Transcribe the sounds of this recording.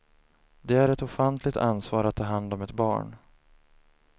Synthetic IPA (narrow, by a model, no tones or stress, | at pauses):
d̪ɛæɾɛt̪ɔfant̪ʰlɪk̚t̪ʰa̰nsvɑːɾat̪ʰːɑːɦand̪ɔmɛt̪bɑ̰ːɳ